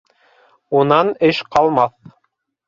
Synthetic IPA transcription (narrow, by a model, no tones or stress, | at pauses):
unɑnɘʃqɑlˠmɑθ